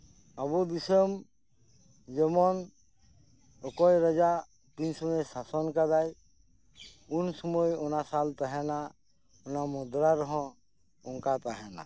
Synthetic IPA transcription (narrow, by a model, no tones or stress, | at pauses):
əbud̪isəm | d͡ʒemɔn | okɔjɾəd͡ʒa | p̪insmesasɔnkad̪aj | unsəmojɔnasalt̪əɦɛna | ʊnamɔd̪ɾaɾɔɦɔ̃ | unkat̪aɦɛna̰